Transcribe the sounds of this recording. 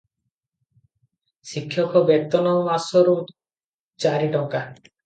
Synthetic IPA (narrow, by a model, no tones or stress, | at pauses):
sikʰːjɔkɔbet̪ɔnɔmasɔɾu | t͡ʃaɾiʈɔŋka